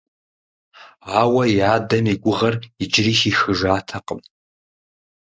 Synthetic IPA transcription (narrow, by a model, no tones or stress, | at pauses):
awɐjaːdɐmiɡʷʊʁɐrid͡ʒɪriʃixɨʐaːtʰaqʼəm